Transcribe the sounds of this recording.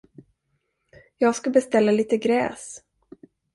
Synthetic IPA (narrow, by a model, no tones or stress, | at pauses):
jɑːɡskabɛst̪ɛlːaliːt̪əɡɾɛ̰ːs